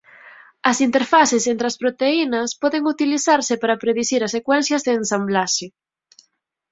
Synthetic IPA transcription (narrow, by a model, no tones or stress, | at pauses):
ɐsint̪eɾfaθesent̪ɾeɐspɾot̪einɐspɔðeŋut̪iliθaɾsɪpaɾɐpɾeðiθiɾɐsekwɛnθjɐzðeːnsamblaʃɪ